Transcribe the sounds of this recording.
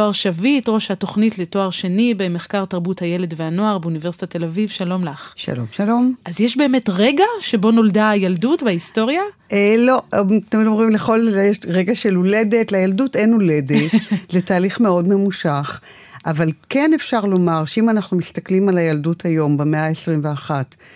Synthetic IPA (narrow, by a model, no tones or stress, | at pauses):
oaʁʃavitʁo̞ʃhato̞χnitleto̞aʁʃenibeme̞χkaʁtaʁbuthaje̞le̞dveano̞aʁbeunivesi̥tate̞lavivʃalo̞mlaχʃa̰lo̰mʃalo̞mʔazjeʃbe̞ːme̞tʁeɡaʃebo̞no̞ldajaldutbaisto̞ʁjaelo̞t̪emidomʁimleχo̞ljeʃʁeɡaʃelole̞detlajaldutenole̞detzetaːliχme̞o̞dme̞muʃaχ | ʔavalke̞nefʃaʁlo̞maʁʃeimanaχnumist̪aklimalajalduthajo̞mbemeaesʁimveaχat